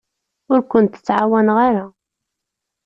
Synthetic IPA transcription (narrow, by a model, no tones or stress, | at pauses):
ʊɾkʷʊnt̪ə̥t͡sːʕawænʁaɾa